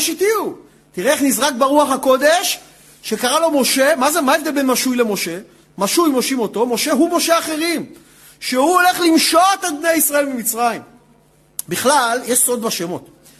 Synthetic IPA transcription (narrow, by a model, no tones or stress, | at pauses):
ʃitiu | tiʁeːχnizʁak̚beʁuaχako̞d̪e̞ʃ | ʃe̞kaʁalo̞mo̞ʃe̞mazemaevd̪elbenmaʃujle̞mo̞ʃe̞ | maʃujmo̞ʃimo̞t̪o̞mo̞ʃe̞ɦumo̞ʃeaχe̞ʁim | ʃe̞huole̞χlimʃot̪albnejaisʁae̞lbemit͡sʁaim | biχlaljeʃso̞d̪baʃemo̞t̪